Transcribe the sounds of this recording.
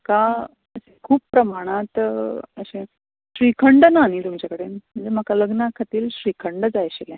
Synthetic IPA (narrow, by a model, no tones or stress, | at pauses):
ka | əsekʰuːpːɾəmaɽ̃at̪ə̰ɕẽ | ɕɾikʰəɳɖənaːnit̪umt͡ɕjakəɽenm̤əɳd͡zeməkaləɡnəkʰat̪iːlɕɾikʰəɳɖd͡zajɕelɛ̃